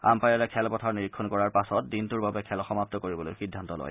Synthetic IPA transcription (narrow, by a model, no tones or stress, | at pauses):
a̰mpajaɹɛkʰɛlpɔtʰaɹniɹikʰːɔnkɔɹaɹpasɔt̚dintuɹbabɛkʰɛlɔxɔmap̚tɔkoɹibɔlo̰jxidʱːantɔlɔ̰j